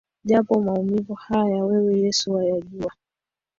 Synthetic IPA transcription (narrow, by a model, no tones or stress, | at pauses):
ʄapɔmaumivuhajajawɛwɛjɛsuwajaʄua